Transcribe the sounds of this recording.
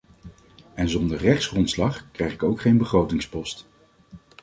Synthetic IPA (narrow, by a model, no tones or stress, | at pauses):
ɛnzɔndəɹrɛχtsχrɔntslɑχkrɛjχɪkowkχejnbəχrowtɪŋspɔst